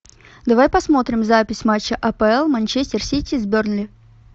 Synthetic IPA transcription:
d̪ɐvajpɐsmo̞t̪ɾʲɪmzapʲɪsʲmat͡ɕːəʔɐpəɛlˠmɐnʲt͡ɕesʲtʲɪrsʲitʲɪzbʲornlʲɪ

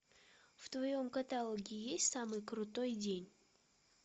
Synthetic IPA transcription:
ft̪vɐjo̞mkɐt̪alˠoɡʲɪjesʲtʲsamɨjkɾʊt̪o̞jdʲenʲ

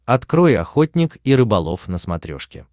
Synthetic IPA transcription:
ɐt̪kɾo̞jɐ̰xotʲnʲɪkiɾɨbɐlˠo̰fnəsmɐt̪ɾʲo̰ʂkʲɪ̰

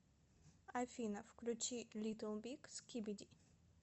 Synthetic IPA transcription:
ajfʲinɐfklʲut͡ɕilʲit̪əlˠbʲikskʲibʲid̪ʲi

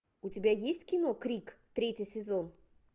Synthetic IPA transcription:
ʊtʲɪbʲajesʲtʲkʲɪnokɾʲikt̪ɾʲetʲɪsʲɪzon

